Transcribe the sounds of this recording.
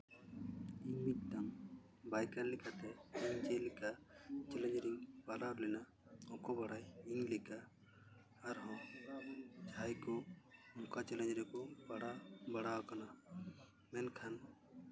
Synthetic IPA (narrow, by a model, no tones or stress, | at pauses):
iɲmit̪̚t̪am | bajkanlːikat̪ɛiɲd͡ʒɛlikat͡ʃɛlɛ̃ɲd͡ʒɾiŋbalaɾlɛna | ɔ̃kɔbaɽajiɲlikaː | ɾɦɔ̃ | d͡ʒʰʱajkɔɔŋkat͡ʃɛlɛɲd͡ʒɾɛkɔbaɽabaɽaakana | mɛnkʰan